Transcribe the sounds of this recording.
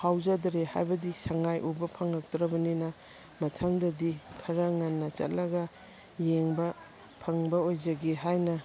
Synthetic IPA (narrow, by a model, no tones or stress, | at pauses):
hawzɐdɾeha̰jbɐdisɐŋajʔubɐpʰɐŋɐk̚tɾɐbɐninɐ | mɐtʰɐŋdɐdikʰɐɾɐŋɐnːɐt͡ʃɐ̰t̚lɐɡɐ | jeŋbɐ | pʰɐŋbɐojd͡ʒɐɡeɦajnɐ